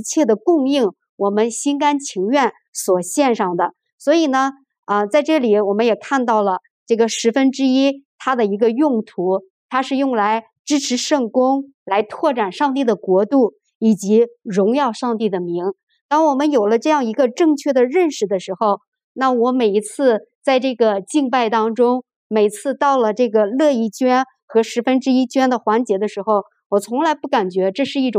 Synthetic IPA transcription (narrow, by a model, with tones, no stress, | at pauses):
t͡ɕʰjɛ˥˩d̪ə˩kʊ˥˧ŋi˥˩ŋ | wɔ˨˩mə˦nɕi˥nka˥nt͡ɕʰi˧˥ŋɥɛ˥˩n | swɔ˨˩ɕjɛ˥˧nʂɑ˥˩ŋd̪ə˩ | swɔ˧˥i˨˩nə˦ | ə˧t͡sa˥˧ɪʈ͡ʂɤ˥˩li˨˩wɔ˨˩mə˦njɛ˨˩kʰa˥˧nt̪ɑ˥˩ʊlə˩ | ʈ͡ʂɤ˥˩ɡə˩ʂɻ̩˧˥fə˥nʈ͡ʂɻ̩˥i˥t̪ʰa˥d̪ə˨i˧˥ɡə˧jʊ˥˩ŋt̪ʰu˧˥ | t̪ʰa˥ʂɻ̩˥˧jʊ˥˩ŋla˧˥ɪ | ʈ͡ʂɻ̩˥ʈ͡ʂʰɻ̩˧˥ʂɤ˥˩ŋkʊ˥ŋ | la˧˥ɪt̪ʰwɔ˥˩ʈ͡ʂa˨˩nʂɑ˥˧ŋt̪̬i˥˩d̪ə˩kwɔ˧˥t̪u˥˩ | i˨˩t͡ɕi˧˥ɻʊ˧˥ŋjɑ˥˧ʊʂɑ˥˧ŋt̪i˥˩d̪ə˩mi˧˥ŋ | t̪ɑ˥ŋwɔ˨˩mə˦njo˨˩ʊlə˦ʈ͡ʂɤ˥˧jɑ˥˩ŋi˧˥ɡə˧ʈ͡ʂɤ˥˧ŋt͡ɕʰɥɛ˥˩d̪ə˩ɻə˥˩nʂɻ̩˨˩d̪ə˩ʂɻ̩˧˥xo˥˧ʊ | na˥˩wɔ˧˥me˨˩ɪi˧˥t͡sʰɹ̩˥˧t͡sa˥˧ɪʈ͡ʂɤ˥˩ɡə˩t͡ɕi˥˧ŋpa˥˩ɪt̪ɑ˥ŋʈ͡ʂʊ˥ŋ | me˨˩ɪt͡sʰɹ̩˥˧t̪ɑ˥˩ʊlə˩ʈ͡ʂɤ˥˩ɡə˩lɤ˥˧i˥˩t͡ɕɥɛ˥n | xɤ˧˥ʂɻ̩˧˥fə˥nʈ͡ʂɻ̩˥i˥t͡ɕɥɛ˥nd̪ə˨xwa˧˥nt͡ɕjɛ˧˥d̪ə˧ʂɻ̩˧˥xo˥˩ʊ | wɔ˨˩t͡sʰʊ˧˥ŋla˧˥ɪpu˥˩ka˨˩nt͡ɕɥɛ˧˥ʈ͡ʂɤ˥˧ʂɻ̩˥˧i˥˩ʈ͡ʂʊ˨˩ŋ